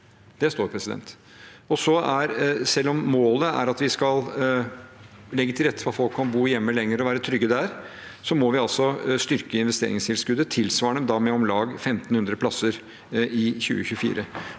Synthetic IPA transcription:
d̪̥ɛst̪oːɾpʰɾɛsɪd̪ɛ̰nt̪ | ɔsɔæɾsɛlːɔmːoːləæ̰ɾɑt̪ʋɪskɑl | lɛɡːət̪ʰɪlɾɛt̪ːə̥fɔɾɑt̪fɔlkʰːɑnbuːjɛmːəlɛŋːəɾɔʋæːɾət̪ʰɾʏɡːəd̪æɾsɔmɔʋɪɑlsɔst̪ʏɾkəɪnʋɛst̪ḛːɾɪŋst̪ʰɪlskʉd̪ːət̪ʰɪlsʋɑːɳəmd̪ɑmɛɔmlɑːɡfɛmt̪n̩hʉnd̪ɾəpʰlɑsəɾ | ɪçʉ̰ːə̰çʉfḭːɾʔə

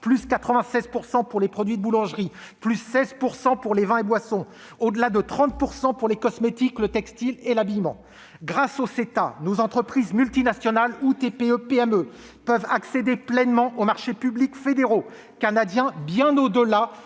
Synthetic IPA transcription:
plyskat̪χəvɛ̃sɛzpuʁsɑ̃puʁlepχɔd̪ɥid̪əbulɑ̃ʒʁi | plysːɛzpuʁsɑ̃puʁlevɛ̃ebwasɔ̃ | od̪əlad̪ət̪χɑ̃t̪̚puʁsɑ̃puʁlekɔsmet̪iklət̪ɛkst̪ilelabijmɑ̃ | ɡʁasoset̪a̰nozɑ̃t̪χəpχizmylt̪inasjɔnalut̪epeøpeɛmø | pœvaksed̪eplɛnmɑ̃ʔomaʁʃepyblikfed̪eʁo | kanad̪jɛ̃bjɛ̃nod̪əla

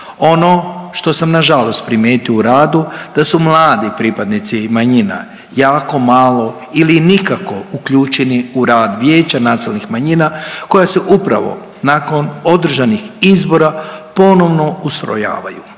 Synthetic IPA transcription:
o̞no̞ʃt̪o̞samnaʒalo̞st̪̚pɾimjeːt̪iouɾaːd̪ud̪̥asumlˠaːd̪ipɾipad̪nit̪simaɲina̰ | jaːko̞malo̞ | ilinikako̞ukʎuːt͡ʃeniuɾaːd̪ʋjeːt͡ɕanaːselˠnixmaɲinako̞jaseʔupɾa̰ʋo̞̰ | nako̞no̞d̪r̩ʒanixizbo̞ɾapo̞no̞ʋno̞ust̪ɾo̞̰ja̰ːʋa̰ju

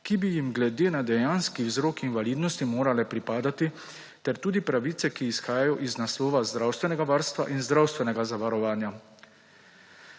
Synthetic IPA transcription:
kibijimɡlɛd̪eːnad̪ɛjaːnskiwzɾoːkinʋaliːd̪nɔst̪imoːɾalɛpɾipaːd̪at̪i | t̪ɛɾt̪uːd̪ipɾaʋiːt̪sɛkiːsxaːjajɔʔiznaslɔːʋazd̪ɾawst̪ʋɛnɛɡaʋaːɾst̪ʋa̰ʔinzd̪ɾawst̪ʋɛnɛɡazaʋaɾɔʋaːnja

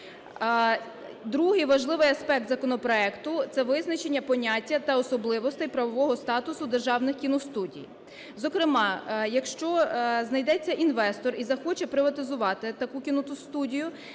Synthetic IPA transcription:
d̪ɾuɦɪjʋɐʒlˠɪʋɪjɐspɛk̚t̪zɐkɔnɔpɾɔɛkt̪ʊt̪sɛʋɪznɐt͡ʃenʲːɐpɔnʲatʲːɐt̪ɐɔsɔblˠɪʋɔst̪ɛjpɾɐʋɔʋɔɦɔst̪ɑt̪ʊsʊd̪erʒɑwnɪxkʲinɔst̪udʲḭj | zɔkɾɪmɑjɐkʃt͡ʃɔznɐjd̪ɛt͡sʲːɐʔinʋɛst̪ɔrizɐxɔt͡ʃɛpɾɪʋɐt̪ɪzʊʋɑt̪ɪt̪ɐkukʲinɔt̪ʊst̪udʲijʊ

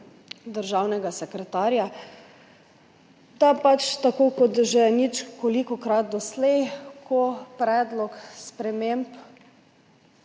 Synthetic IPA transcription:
d̪əɾʒaːwnɛɡasɛkɾɛt̪aːɾja | d̪apat͡ʃt̪akokɔt̪ʒɛnit͡ʃkolikɔkɾat̪̚d̪ɔslɛjkʰopɾɛːd̪lɔkspɾɛmemp

